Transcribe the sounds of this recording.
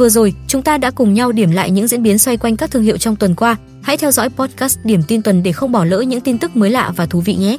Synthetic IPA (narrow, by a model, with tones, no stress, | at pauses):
vɨ˨˩əzo˨˩jt͡ɕʊ˨˦ŋ͡mt̪aː˧ɗa̰ː˧˥kʊ˨˩ŋ͡mɲa˧wɗi˧˩əmla̰ː˧˨jɲɨ̰˧˥zḭ˧˥ənɓi˨˦ənswa˧jkwa˧jŋ̟kaː˦˥k̚t̪ʰɨ˧əŋhḭ˧˨wt͡ɕɔ˧wŋ͡mt̪wə˨˩nkwaː˧ | ha̰˧˥jt̪ʰɛ˧wzɔ̰˧˥jpɔ˦˥t̚kaː˦˥stɗi˧˩əmt̪i˧nt̪wə˨˩nɗe˧˩xə˧wŋ͡mɓɔ˧˩lə̰ː˧˥ɲɨ̰˧˥ŋt̪i˧nt̪ɨ˦˥k̚məː˨˦jla̰ː˧˨vaː˨˩t̪ʰu˨˦vḭ˧˨ŋɛ˨˦